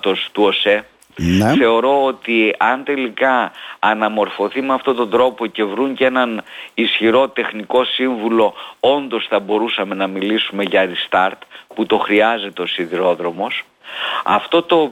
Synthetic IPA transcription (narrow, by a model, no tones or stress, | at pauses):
t̪o̞st̪uose̞ | nθe̞o̞ɾo̞ot̪iɐnt̪e̞likɐːnɐmo̞ɾfo̞θimeɐft̪o̞t̪o̞nd̪ɾo̞po̞ce̞vɾuɲcee̞nɐnisçiɾo̞t̪e̞xniko̞siɱvulo̞o̞nd̪o̞sθɐbo̞ɾusɐme̞nɐmilisume̞ʝɐɾist̪ɐɾt̪put̪o̞xɾiɐze̞t̪e̞o̞siðiɾo̞ðɾo̞mo̞s | ɐ̰ft̪o̞t̪o̞